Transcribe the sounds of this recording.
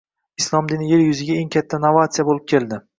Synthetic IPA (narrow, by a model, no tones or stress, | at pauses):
ɪslˠɒmd̪ɪnjeɾjʊzɪɡʲaeŋkʲʰat̪ʰːanavat̪sijabolɪp̚kʲʰe̞lˠd̪ɪ